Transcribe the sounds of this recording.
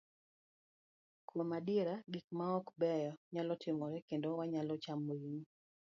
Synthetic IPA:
kwomadieɾaɡikmaɔkbɛjɔɲalɔtʰɪmɔɾɛkendowaɲalɔt͡ʃamoiɲi

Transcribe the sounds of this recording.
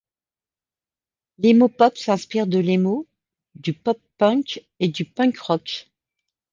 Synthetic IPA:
lemopɔpsɛ̃spiʁd̪əlemo | d̪ypɔpː | œ̃k | ed̪ypœ̃kʁɔk

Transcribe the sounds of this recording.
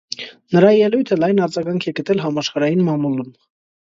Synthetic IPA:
nəɾɑjɛlujt̪ʰəlɑjnɑɾd͡zɑɡɑŋkʰɛɡət̪ɛlɦɑmɑʃχɑɾɑjinmɑmulum

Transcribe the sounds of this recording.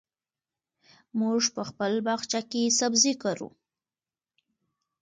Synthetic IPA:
muʐpəxpəlbɑxt͡ʃakesabzikaɾṵ

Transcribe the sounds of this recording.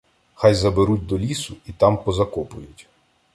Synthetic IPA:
xɑjzɐbeɾutʲd̪ɔlʲisʊit̪ɑmpɔzɐkɔpʊjʊtʲ

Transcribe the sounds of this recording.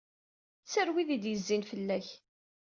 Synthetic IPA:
t͡sːəɾwiðid̪jəzːinfəlːæç

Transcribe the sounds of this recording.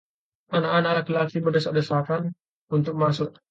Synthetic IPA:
anaʔanaʔlakilak̚sibərdəsaʔ̚dəsakan | unt̪ʊk̚masʊk

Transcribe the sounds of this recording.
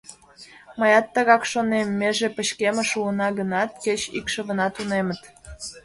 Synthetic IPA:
məjɑt̪ːəɣɑkʃonemːeʒepəɕkemə̆ʃuənɑɣənɑt̪̚ket͡ɕḭkʃəβə̆nɑt̪unemət̪

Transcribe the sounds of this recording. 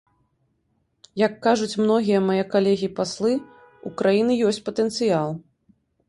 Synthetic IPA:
jɐkːaʐut͡sʲmnɔɣʲijɐmajɛkalʲɛɣʲipaslˠɨ | ukɾajinɨjɔsʲt͡sʲpɐt̪ɛnt̪sɨjalˠ

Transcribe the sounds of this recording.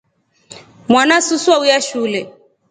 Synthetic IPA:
mwanasuswaujaʃulɛ

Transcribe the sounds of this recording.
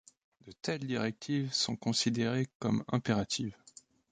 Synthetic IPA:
d̪ət̪ɛld̪iʁɛk̚t̪ʰivsɔ̃kɔ̃sid̪eʁekɔmɛ̰̃peʁat̪ʰiv

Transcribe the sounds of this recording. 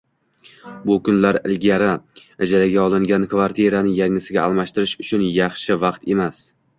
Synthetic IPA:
bʊkʊnlaɾɪ̰lɡʲaɾaad͡ʒaɾaɡʲaɒlˠɪŋɡʲankvaɾt̪ʰieɾanɪjaŋɪsɪɡʲaːlˠmaʃt̪ɪɾɪʃʊt͡ʃʰʊnjɑχʃɪvɑqt̪ʰe̞mas

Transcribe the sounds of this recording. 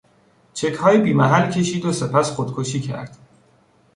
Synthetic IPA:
t͡ʃʰe̞chɒːjibiːmæɦælcʲʰe̞ʃiːd̪ose̞pʰæsχod̪̥kʰoʃiːcʰæ̰ɾd̪̥

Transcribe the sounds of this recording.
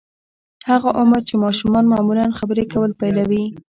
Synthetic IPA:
haɣaʔʊməɾt͡ʃemɑʃumɑnmɑmulanxabəɾekawəlpajlawi

